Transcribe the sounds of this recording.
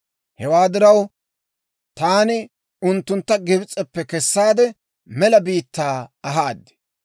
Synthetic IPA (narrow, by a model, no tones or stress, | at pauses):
hɛwaːd̪ɪɾɐw | t̪aːnɪ | ʊnt̪ːʊnt̪ːɐɡɪbt͡sʼːɛpːɛkɛsːaːd̪ɛ | mɛlɐbiːt̪ːaːɐɦaːd̪ːɪ̥